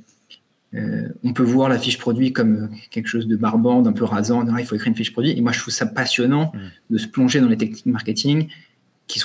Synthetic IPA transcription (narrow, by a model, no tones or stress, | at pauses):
ø̰ɔ̃pøvwaʁlafiʃpχɔd̪ɥikɔmøkʲɛlkə̥ʃozd̪əbaʁbɑ̃d̪ɛ̃pøʁazɑ̃d̪iʁaifoekχiʁynfiʃpχɔd̪ɥiʔemwaʒət̪χufsapasjɔnɑ̃d̪əsə̥plɔ̃ʒed̪ɑ̃let̪ɛkni̥kmaʁkʲet̪ʰiŋ | kʲi̥s